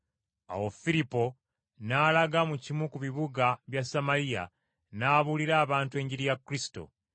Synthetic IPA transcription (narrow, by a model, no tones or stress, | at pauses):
a̰wofilipo̞ | naːlaɡamucimukuβiβuɡaβjasamalija̰ | naːβuliɾaːβaːntue̞ːɲɟiɾijakɾisi̥to̞̰